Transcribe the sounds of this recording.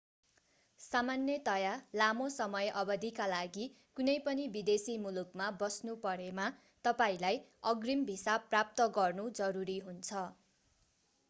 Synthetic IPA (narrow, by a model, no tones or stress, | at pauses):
samanːjʌt̪ʌjalamosʌmʌjʔʌbʌd̪ikalaɡi | kunʌjpʌnibid̪esimulukmabʌsnupʌɾema | t̪ʌpaĩlajʌɡrimbʱisaprap̚t̪ʌɡʌrnud͡zʌɾuɾiɦunt͡sʰʌ